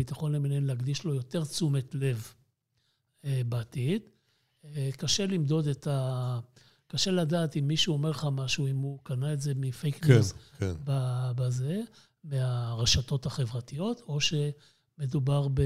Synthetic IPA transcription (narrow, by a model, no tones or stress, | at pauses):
it̪aχo̞nleminenleaɡd̪iʃlo̞jo̞te̞ʁt͡sumetle̞v | ebaːtid | kaʃe̞limdo̞deta | kaʃe̞ladaːtimːiʃuomeʁleχamaʃuimukanaetze̞mifejknjuskenbabaze̞ | meaʁeʃato̞thaχe̞vʁatijo̞to̞ʃe̞ | me̞dubaʁbe